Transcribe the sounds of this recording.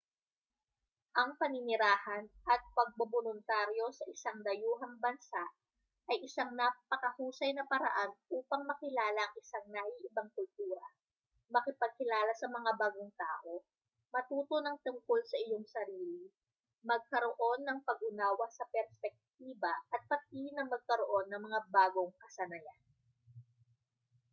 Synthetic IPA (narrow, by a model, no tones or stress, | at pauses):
ʔɐŋpɐnɪnɪɾaːhɐnʔɐt̪̚pɐɡ̚bobolʊnt̪aːɾjo̞sɐʔɪsaŋd̪ɐjuːɦɐŋbɐnsaʔ | ʔɐjʔɪsaŋnapɐkɐhuːsɐjnɐpɐɾɐ̰ʔanʔuːpɐŋmɐkɪlaːlɐʔɐŋɪsaŋnaːjiʔɪbɐŋkʊlt̪uːɾɐ | mɐkɪpɐɡ̚kɪlaːlɐsɐmɐŋabaːɡoŋt̪aːʔo̞ | mɐt̪uːt̪o̞nɐŋt̪ʊŋko̞lsɐʔɪjo̞ŋsɐɾiːli | mɐɡ̚kɐɾoʔo̞nːɐŋpɐɡ̚ʔʊnaːwɐsɐpɛɾspɛk̚t̪̚iːbɐʔɐt̪̚pɐt̪̚inɐŋmɐɡ̚kɐɾoʔo̞nːɐŋmɐŋabaːɡo̞ŋkɐsɐnɐjan